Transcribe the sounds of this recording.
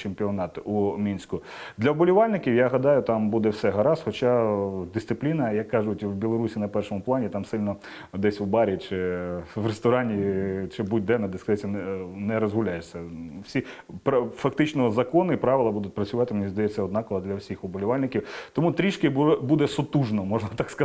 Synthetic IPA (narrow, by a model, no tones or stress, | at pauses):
t͡ʃemʲpʲiɔnɑt̪umʲinʲsʲkʊ | d̪lʲɐɔbɔlʲʊʋɑlʲnɪkʲiwjaɦɐd̪ɑjʊt̪ɑmbud̪ɛwsɛɦɐɾɑsxɔt͡ʃɑd̪ɪst̪sɪplʲinɐjɐkːɑʒʊtʲwbʲilˠɔɾusʲinɐpɛrʃɔmʊplˠɑnʲit̪ɑmsɪlʲnɔ | d̪ɛsʲwbɑɾʲit͡ʃɪʋrest̪ɔɾɑnʲit͡ʃɪbud̚ʲd̪ɛnɐd̪ɛskɐzɛsʲɐnnɛɾɔzɦʊlʲajɛʂsʲːɐwsʲipɐfɐk̚t̪ɪt͡ʃnɔzɐkɔnɪpɾɑʋɪlˠɐbud̪ʊtʲpɾɐt͡sʲʊʋɑt̪ɪmenʲizd̪ɐjɛt͡sʲːɐɔd̪nɑkɔʋɐd̪lʲɐwsʲixɔbɔlʲʊʋɑlʲnɪkʲiwt̪ɔmut̪ɾʲiʃkɪbubud̪ɛsɔt̪uʒnɔmɔʒnɐt̪ɑkskɐ